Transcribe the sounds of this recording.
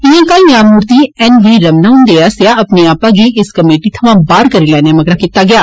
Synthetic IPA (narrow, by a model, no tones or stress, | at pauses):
ɪjãːkaːĩjãmuːɾt̪iɛnʋiːɾɐmnãɦʊ̃nd̪eaːsjaɐpneaːpãːɡiʔɪskɐmeːʈit̪ʰɐʋãːbaːɾkɐɾilɛːnamɐɡɾakɪt̪aɡɪjaː